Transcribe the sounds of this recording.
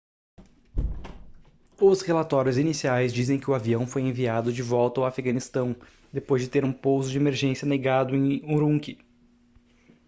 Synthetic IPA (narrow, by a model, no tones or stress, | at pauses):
ʊshelat̪ɔɾjʊzinisiajzd͡ʒizẽj̃kɪʊaviɐ̃w̃fojẽviad̪ʊd͡ʒɪvɔwt̪ɐwafiɡɐ̃nist̪ɐ̃w̃ | d̪epojzd͡ʒɪt̪eɾũpowzʊd͡ʒɪemeɾʒẽsjɐneɡad̪ʊẽj̃uɾũŋkɪ